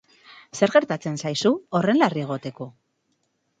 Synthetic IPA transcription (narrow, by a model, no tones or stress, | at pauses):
se̞ɾɣe̞ɾt̪at͡se̞nsajsuore̞nlarieɣ̞o̞t̪e̞ko̞